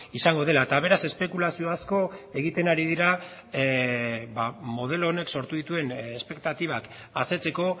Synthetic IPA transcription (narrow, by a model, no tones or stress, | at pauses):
isaŋɡo̞ð̞e̞laet̪aβ̞e̞ɾase̞spe̞kulasio̞asko̞e̞ɣ̞it̪e̞naɾiðiɾa | bamo̞ð̞e̞loːne̞kso̞ɾt̪uðit̪ue̞nespe̞kt̪at̪iβ̞ak | ase̞t͡se̞ko̞